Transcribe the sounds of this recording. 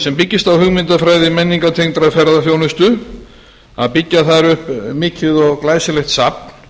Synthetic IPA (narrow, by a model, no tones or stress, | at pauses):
sɛmpicːɪst̪awhʏɣmɪnt̪afɾaːjðɪmɛnːiŋkat̪ʰejŋt̪ɾafɛɾðaθjownɪst̪ʏ | a̰ðpicːaθaðɾʏhpmɪːcɪðɔɣklaːjsɪlɛxt̪sap̚n̥